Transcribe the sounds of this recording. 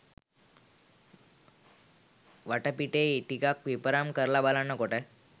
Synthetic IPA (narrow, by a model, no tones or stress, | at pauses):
ʋɐʈɐpiʈːeʈikak̚ʋipɐɾamkɐɾlabalanːɐkoʈɐ